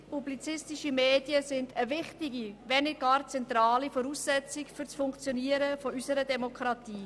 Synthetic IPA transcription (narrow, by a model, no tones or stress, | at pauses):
publit͡sɪstɪʃimeːdjəsɪndəvɪχtɪɡiʋɛnɪɡ̥ɑːɾt͡sɛntɾɑːlifɔɾusːɛt͡sɪkfʏɾt͡sfʊŋkt͡sjɔniəɾəfɔysəɾədɛmokʰɾɑt̪iː